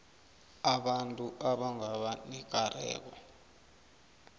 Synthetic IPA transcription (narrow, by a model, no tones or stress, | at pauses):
aɓantʼuʔaɓaŋaɓanɛk̬ʼarɛ̰ːk̬ɔ